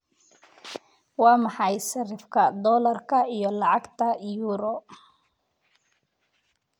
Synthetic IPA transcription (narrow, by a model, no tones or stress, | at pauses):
wɑːmɑħɑjsɐrɪfkʰɐd̪ɔːlɐrkʰɐijɔlɑʕɑɡt̪ʰɐjuːɾɔ